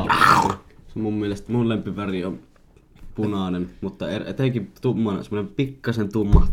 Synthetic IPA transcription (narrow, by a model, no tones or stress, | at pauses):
semummielest̪mullempiʋæriom | punɑˑnenmut̪ːɑerḛt̪eŋkit̪umːɑnsemːˑonempikːɑsent̪umːɑ